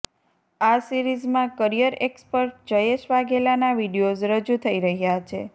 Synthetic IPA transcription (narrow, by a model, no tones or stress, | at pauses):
asiɾizmãkəɾijəɾekspəɾʈ̚d͡ʒəjeʃʋaɡelanaʋiɽijod͡ʒɾəd͡ʒut̪ʰəiɾəɦjat͡ʃʰḛ